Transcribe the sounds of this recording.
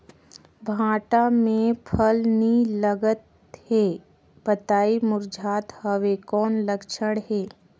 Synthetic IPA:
bʱãːʈamẽpʰəlniləɡət̪ | heː | bət̪aːimʊɾd͡ʒʱaːt̪həʋekɔːnləkʃʰəɽ̃ɦeː

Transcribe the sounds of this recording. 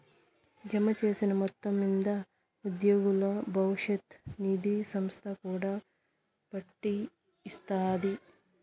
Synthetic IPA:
d͡ʒɐmɐt͡ʃe̞ːsinɐmɔt̪ːɐmind̪ɐ | ud̪joːɡulɐbʱɐwʂɐt̪niːd̪isɐmst̪ʰɐkuːɽaː | pɐʈːiː | st̪aːd̪i

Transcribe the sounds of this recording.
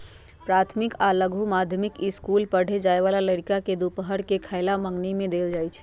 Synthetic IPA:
pɾat̪ʰmikaləɡʱumad̪ʱjəmikiskulpəɽ̤ed͡ʒaeβalaləɽikaked̪upəɦəɽkekʰaɪlaməŋɡnimẽd̪eld͡ʒajt͡ʃʰ

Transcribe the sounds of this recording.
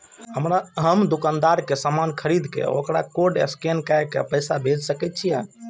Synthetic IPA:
ɦəmɾaɦəmd̪ukand̪aɾkesamankʰəɾid̪ʱkḛo̰kɾakoɖḛskenkajkḛpəjsabʱed͡ʒsəkɛt̪̚t͡ʃʰijɛ̰

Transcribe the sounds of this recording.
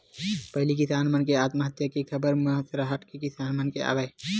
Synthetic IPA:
pəɦɪlikisaːnmənkeaːt̪məɦət̪jəkekʰəbəɾməɦət̪ɾəɦəʈkekisaːnmənkea̰bəj

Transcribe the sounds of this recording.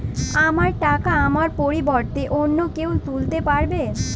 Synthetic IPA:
amaɾʈakaamaɾpoɾibɔɾt̪eʔonːokewt̪ult̪epaɾbe

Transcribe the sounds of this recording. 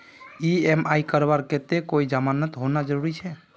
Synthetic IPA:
iɛmaikəɾbaɾket̪ekoid͡ʒamanət̪ɦonad͡ʒəɾuɾit͡ʃʰɛ

